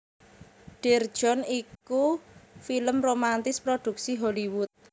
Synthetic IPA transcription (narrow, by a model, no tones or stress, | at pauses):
ɖ̥ird̥ʒ̥ɔ̤nikufiləmromant̪ɪspɾod̪̥ṳk̚siɦɔliwʊt̪̚